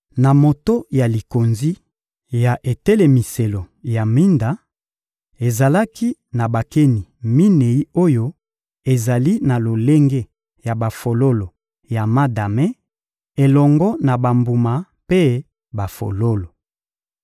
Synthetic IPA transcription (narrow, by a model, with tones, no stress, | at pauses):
na˨mo˨to˦ja˨li˨ko˨nzi˦ | ja˨ʔe˨tɛ˦le˨mi˨se˨lo˨ja˨mi˦nda˨˦ | e˨za˨la˦ki˦na˨ba˨ke˦ni˨mi˦ne˨i˦o˦jo˦ | e˨za˨li˦na˨lo˨le˦ŋɡe˦ | ja˨ba˨fo˨lo˦lo˨ | ja˨ma˦da˨me˦ | e˨lɔ˨ŋɡɔ˦na˨ba˨mbu˨ma˨ | pe˦ | ba˨fo̰˨lo˦lo˨